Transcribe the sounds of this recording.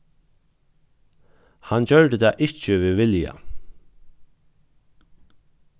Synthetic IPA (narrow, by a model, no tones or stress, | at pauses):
hant͡ɕœɹd̪əd̪aːʔɪt͡ʃəʋɪʋɪlja̰